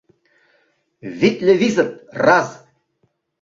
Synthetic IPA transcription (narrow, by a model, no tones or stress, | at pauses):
vit̪ʼlʲevizət̪ʼraz